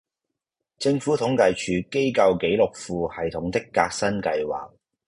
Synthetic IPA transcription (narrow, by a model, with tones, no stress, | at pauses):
t͡sɪ˧ŋfuː˨˥t̪ʰʊ˨˥ŋkɐ˨˧jt͡ʃʰyː˨˧ke˥jkɐ˧wke˨˥jlʊ˨k̚fuː˨˧hɐ˨jt̪ʰʊ˨˥ŋt̪ɪ˥kːa̰ː˧k̚sɐ˥nkɐ˧jwa̰ː˨˩k̚